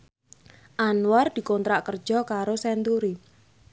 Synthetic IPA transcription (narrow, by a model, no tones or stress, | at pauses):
ʔanward̪̥i̤kont̪ɾaʔkərd̥d͡ʒ̥ɔ̤kaɾosɛnt̪uɾi